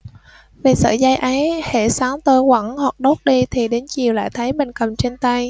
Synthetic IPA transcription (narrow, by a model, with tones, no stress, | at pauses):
ve˨˩sə̰ː˧˩za˧jʔə˨˦jhḛ˧˩saː˨˦ŋt̪ə˧jkwa˧˩ŋhwa˨˩k̚ɗo˦˥t̚ɗi˧t̪ʰi˨˩ɗe˨˦nt͡ɕi˨˩əwla̰ː˧˨jt̪ʰə˨˦jɓï˨˩ŋ̟kə˨˩mt͡ɕe˧nt̪a˧j